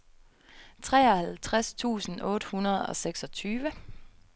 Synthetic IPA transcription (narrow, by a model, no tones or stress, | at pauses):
t͡sʰʁɛ̰ːɒhælt͡sʰʁast͡sʰṵːsn̩ɔ̽ːɾ̥əhunɐð̞̩ˠɒ̽seɡ̥sɒ̽t͡sʰyːʋə